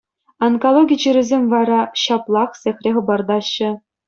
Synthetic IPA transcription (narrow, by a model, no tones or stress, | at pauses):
ɑnkolˠoɡʲit͡ɕiɾʲɘ̆zʲemʲvɑɾɑɕɑplˠɑχsʲexʲrʲeχɤ̆bɑrd̪ɑɕːɘ̆